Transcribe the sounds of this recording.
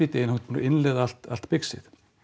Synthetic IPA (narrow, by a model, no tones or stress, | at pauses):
it̪ejɪnhḁt̪n̰ɪnlɛðal̥t̪a̰l̥t̪pɪksɪ̰θ